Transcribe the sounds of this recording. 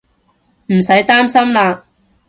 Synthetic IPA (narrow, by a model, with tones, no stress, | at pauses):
m̩˨˩sɐ˨˥jt̪aː˥msɐ˥mlaː˧